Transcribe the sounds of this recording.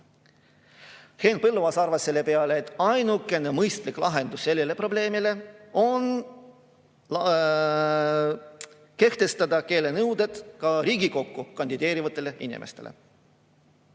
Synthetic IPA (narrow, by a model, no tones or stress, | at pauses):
he̞ːnpɤlːuvɑsɑrvɑsːe̞lːe̞pe̞ɑleːt̪ːˑɑjnukːˑe̞ne̞mɤjst̪liklɑɦe̞nd̪̥usse̞lːele̞pro̞ble̞ːmile̞o̞n | ke̞ht̪e̞st̪ɑd̪̥ɑke̞ːle̞nɤwd̪̥e̞d̪̥kɑɾiːɡiko̞kːukɑnʲd̪̥id̪e̞ːɾivɑt̪ːˑe̞leʔḭnḭmʔḛst̪e̞̰lḛ